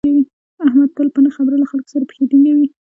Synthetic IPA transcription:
ewi | ahmad̪̚t̪əlpənəxabɾalaxalko̥saɾapə̥xed̪iŋɡawi

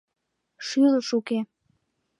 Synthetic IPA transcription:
ʃyləʃuke

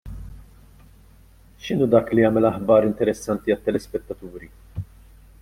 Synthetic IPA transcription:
ʃɪnuːd̪ɐːkliɐːmɛlɐħbɐːɾɪnt̪ɛɾɛsːɐnt̪iɐt̪ːɛlɛspɛt̪ːɐt̪uːɾi

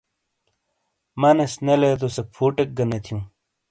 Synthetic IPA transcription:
mɐnesnelet̪̬osepʰuːʈek̚ɡɐnet̪ʰijũ

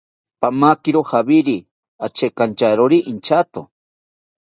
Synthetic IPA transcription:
pamakiɾohabiɾi | at͡ʃekant͡ʃaɾoɾiʔint͡ʃat̪o

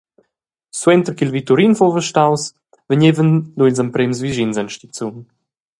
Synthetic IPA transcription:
swɛnt̪əɾkilvit̪uɾinfɔlvəʃtaws | vəɲevənd̪uilzəmpɾemzviʒinzanʃt̪it͡sun

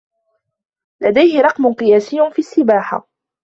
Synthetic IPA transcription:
lad̪ajhɪɾˤɑqmʊnqɨjaːsɪjːʊfiːasːɪbaːħa̰

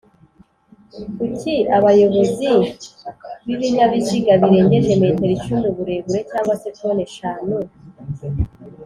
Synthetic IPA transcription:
kuciaβajo̞βo̞zi | βiβiɲaβiciɡaβiɾe̞ːɲɟe̞ʒemeteɾit͡ʃunduβuɾe̞ːβuɾe̞caːŋɡwasefoneʃaːnu

